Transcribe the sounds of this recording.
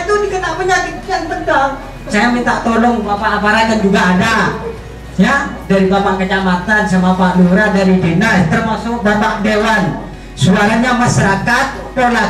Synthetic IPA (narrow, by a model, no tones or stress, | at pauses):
t̪udikənapəɲanik̚anbənd̪aŋ | sajamint̪aʔt̪olɔŋbapanapaɾadand͡ʒuɡaːda | jadaɾibamaŋkət͡ʃamat̪ansamapaʔluɾadaɾidenast̪ərmasʊk̚bamaʔ̚dewan | suaɾaɲamaʃaɾakat̪̚ | pola